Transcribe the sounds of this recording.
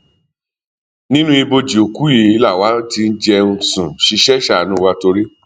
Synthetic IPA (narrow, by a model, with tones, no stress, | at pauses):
nĩ˦nũ˦i˧bo˧d͡ʒi˨o˨ku˦je˨˦i˦la˦˨wa˨˦ti˧n̩˦d͡ʒɛ˧u˧sũ˨ʃi˧ʃɛ˦ʃa˦˨nũ˨˦wa˨˦to˧ɾi˦